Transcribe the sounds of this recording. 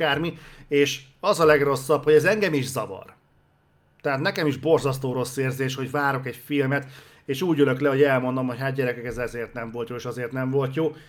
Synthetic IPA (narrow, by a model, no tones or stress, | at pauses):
aːrmieːʃ | ɒzɒlɛɡro̞sːɒbho̞ɟɛzɛŋɡɛmiʒzɒvɒ̰r | t̪ɛɦat̪nɛkɛmiʒbo̞rzɒst̪oːɾo̞sːeːrzeːʃho̞ɟvaːɾo̞kɛcfilmɛt̪ | eːʃuːɟøløklɛɦo̞ɟɛlmo̞nd̪o̞mho̞chat̪̚ɟɛɾɛkɛkɛzɛzeːrt̪nɛɱvo̞lt̪joːeːʃɒzeːrt̪nɛɱvo̞lt̪joː